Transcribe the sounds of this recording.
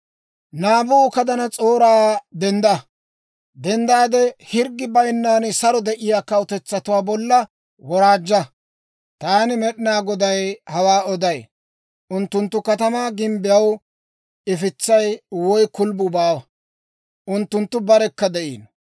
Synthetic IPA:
naːbuːkɐd̪ɐnɐt͡sʼo̞ːɾaːd̪ɛnd̪ɐ | d̪ɛnd̪aːd̪ɛhɪɾɡːɪbɐjnːaːnsɐɾɔd̪ɛʔɪjaːkɐwʊt̪ɛt͡sːɐt̪ʊwaːbɔlːɐ | wɔɾaːd͡ʒːɐ | t̪aːnɪmɛɗɪnaːɡɔd̪ɐjhɐwaːɔd̪ɐj | ʔʊnt̪ːʊnt̪ːʊkɐt̪ɐmaːɡɪmbɪjɐw | ɪfɪt͡sːɐjwɔjkʊlbʊbaːwɐ | ʔʊnt̪ːʊnt̪ːʊbɐɾɛkːɐd̪ɛʔḭːn

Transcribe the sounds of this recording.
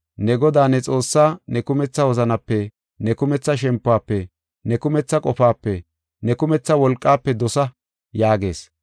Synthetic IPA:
nɛɡɔd̪aːnɛt͡sʼo̞ːsːaːnɛkʊmɛt͡sːɐwɔzɐnɐpːɛ | nɛkʊmɛt͡sːɐʃ̬ɛmpːʊaːpːɛ | nɛkʊmɛt͡sːɐkʼɔfaːpːɛ | nɛkʊmɛt͡sːɐwɔlkʼːaːpːɛd̪ɔsɐ | jaːɡe̞̰ːs

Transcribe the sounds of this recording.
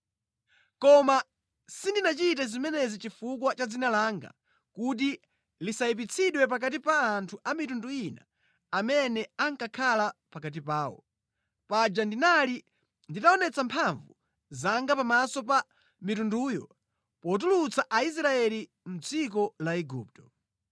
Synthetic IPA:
kɔma | sindinat͡ʃit̬azimɛnɛzit͡ʃifuk̬wat͡ʃad͡zinalaŋɡa̰ | kut̬i | lisaip̬it͡sʰiɗwɛp̬ak̬at̬ipaːntʰuʔamitunduinaː | mɛnɛaŋkakʰalapakat̬ipaːwɔ̰ | pad͡ʒandinali | nditaɔnɛt͡sampʰaɱvu | zaŋɡapamasɔpa | mitunduːjɔ̰ | pɔt̬ulut͡saʔais̬ɾaɛli | m̩d͡zik̬ɔlaɛɡṵːp̚tɔ̥

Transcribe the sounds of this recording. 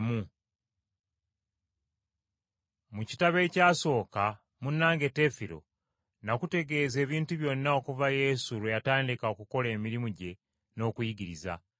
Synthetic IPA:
mu | muci̥taβe̞ːcaːso̞ːka | munːaːŋɡe̞te̞fiɾo̞̰ | nakute̞ɡe̞ːze̞ːβiːntuβjo̞nːao̞kuvaje̞suɾwejataːndikaokuko̞le̞ːmiɾimuɟe̞ | no̞ːkujiɟiɾiza̰

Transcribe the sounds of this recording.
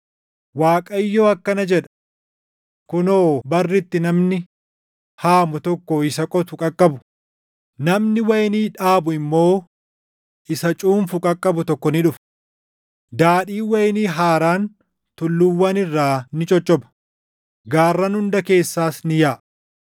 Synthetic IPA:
waːkʼɐɪjːoːɐkːɐnɐd͡ʒɛᶑɐ̥ | kʊnoːbɐrːɪt̪ːɪnɐmnɪ | haːmʊt̪ɔkːɔɪsɐkʼɔt̪ʊkʼɐkʼːɐbʊ̥ | nɐmnɪwɐjniːᶑaːbʊɪmːo̞ː | ʔɪsɐt͡ʃʼuːmfʊkʼɐkʼːɐbʊt̪ɔkːɔnɪᶑʊf | d̪aːᶑiːwɐjniːɦaːɾaːn | t̪ʊlːʊwːɐnɪrːaːnɪt͡ʃʼɔt͡ʃʼːɔbɐ̥ | ɡaːrːɐnhʊnd̪ɐke̞ːsːaːsnɪjaːʔ

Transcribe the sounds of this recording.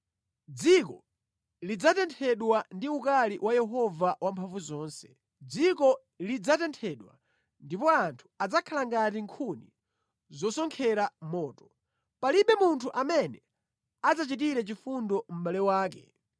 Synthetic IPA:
d͡zikɔ | lid͡zatɛntʰɛɗwandiukaliwajɛɦɔvawampʰaɱvuzɔːnsɛ̥ | d͡zikɔ | lid͡zatɛntʰɛɗwa̰ | ndipɔantʰu̥ad͡zakʰalaŋɡatiŋkʰuni | zɔsɔŋkʰɛɾamɔːtɔ̥ | paliɓɛmuntʰuʔamɛnɛ | ad͡zat͡ʃitiɾɛt͡ʃifundɔm̩ɓalɛwaːk̬ɛ̰

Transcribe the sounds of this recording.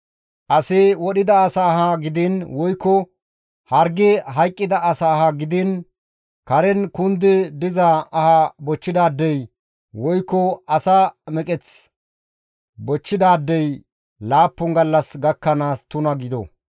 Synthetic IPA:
ʔɐsɪwɔɗɪd̪ɐːsaːɦɐɡɪd̪ɪnwɔjkːɔ | hɐɾɡɛɦɐjkʼːɪd̪ɐʔɐsaːɦɐɡɪd̪ɪn | kɐɾɛnkʊnd̪ɛd̪ɪzɐɐhɐbɔt͡ʃːɪd̪aːd̪ːɛj | wɔjkːɔɐsamɛkʼɛt͡s | bɔt͡ʃːɪd̪aːd̪ːɛj | laːpːɔŋɡɐlːɐsɡɐkːɐnaːst̪ʊnɐɡɪd̪ɔ̰

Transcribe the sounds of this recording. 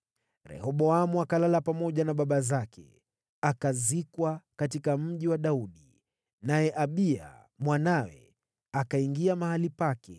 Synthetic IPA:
ɾɛ̰hɔɓɔamuakalalapamɔʄanaɓaɓazakʰɛ̰ | akazikwakatikam̩ʄiwaɗauɗi | najɛʔaɓia̰ | mwanawɛ̰ | akaiŋɡiamahalipakɛ̰

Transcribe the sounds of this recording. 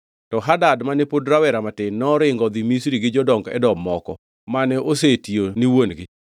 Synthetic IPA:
tɔɦadadmanepodɾawɛɾamatɪnːɔɾɪŋɡɔd̪imisɾiɡɪd͡ʒɔdɔŋɡɛ̰dɔmːɔkɔ̰ | manɛʔosetioniwonɡɪ

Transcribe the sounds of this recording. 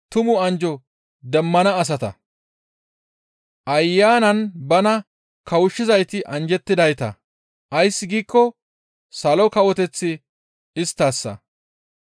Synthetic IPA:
t̪ʊmʊɐnd͡ʒɔ | d̪ɛmːɐnɐːs̬ɐt̪ɐ̰ | ʔɐjːaːnɐnbɐnɐ | kɐwʊʃːɪzɐjt̪ɪʔɐnd͡ʒɛt̪ːɪd̪ɐjt̪ɐ̰ | ʔɐjsːɪɡiːkːɔ | sɐlɔkɐwɔt̪ɛt͡sːɪ | ɪst̪ːaːsːɐ̰

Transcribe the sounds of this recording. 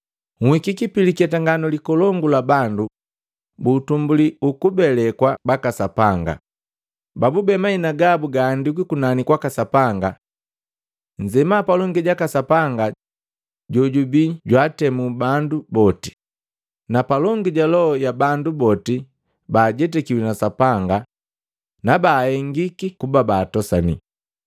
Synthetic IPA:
ŋ̩hikikipilikɛtaŋɡanɔlikɔlɔŋɡulabandu | butumbuliukubɛlɛkwabakasapaŋɡa̰ | babubɛmainaɡabuɡaːndik̬ikunanikwakasapaŋɡa | ɲd͡ʒɛmapalɔŋɡiɟakasapaŋɡa | ɟɔɟubiɟwaːtɛmubandubɔti̥ | napalɔŋɡiɟalɔɔjabandubɔti | baːɟɛt̬ɛkiwinasapaŋɡa | nabaːhɛŋɡikikubabaːtɔsanḭ

